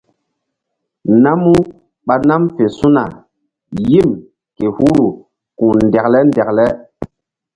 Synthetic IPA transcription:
na˦mu˦ | ɓa˨na˦mfe˨su˦na̰˨ | ji˦˨m | ke˨hu˦ɾu˨ | kũ˨ndɛ˨klɛ˦ndɛ˨klɛ˦

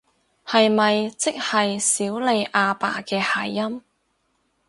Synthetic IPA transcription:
hɐ˨jmɐ˨jt͡sɪ˥k̚hɐ˨jsiː˨˥wle˨˧jʔaː˧pa̰ː˨˩kɛː˧haː˨˩jːɐ˥m

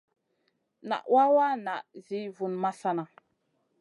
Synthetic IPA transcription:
na̰˨ʔwa˦wa˦na˨ʔzi˨˦vu˨nma˦sa˦na˨

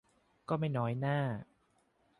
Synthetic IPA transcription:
kɔː˥˩ma˥˩jnɔː˦˥jnaː˥˩

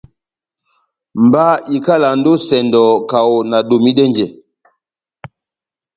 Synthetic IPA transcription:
m˨ba˦i˨ka˦la˨n̩˦do˦sɛ˨ndɔ˨ka˨wna˨do˨mi˦dɛ˦ɲd͡ʒɛ˨

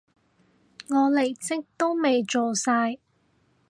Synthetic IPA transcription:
ŋɔː˨˧le˨˩jt͡sɪ˥k̚t̪o˥wme˨jt͡ʃo˨saː˧j

